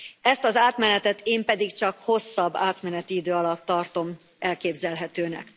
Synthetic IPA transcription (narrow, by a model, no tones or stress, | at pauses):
ɛst̪ɒzaːt̪mɛnɛt̪ɛt̪eːmpɛd̪ikt͡ʃɒkho̞sːɒbːaːt̪mɛnɛt̪iid̪øːɒlɒt̪ːɒrt̪o̞m | ɛlkeːbzɛlɦɛt̪øːnɛ̰k